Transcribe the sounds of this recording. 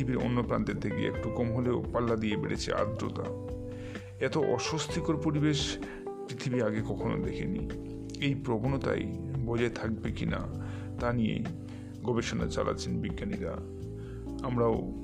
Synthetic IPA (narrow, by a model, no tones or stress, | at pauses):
ibiɾo̰nːopɾant̪eɾd̪ʰekiḛɛ̰k̚ʈukɔmɦoleopalːad̪ijebeɽḛt͡ɕʰḛʔa̰d̪ɾo̰t̪a̰ | ɛt̪oʔɔʃost̪ʰikoɾpoɾibeʃ | pɾit̪ʰibiɾaɡekɔkʰono̰d̪ekʰḛnḭ | ejpɾobonot̪a̰jbɔd͡ʑaet̪ʰak̚bekina̰ | t̪anijḛ | ɡʱɔbeʃona̰t͡ɕa̰lʔa̰tːt͡ɕʰenbiɡːaniɾa̰ | amɾao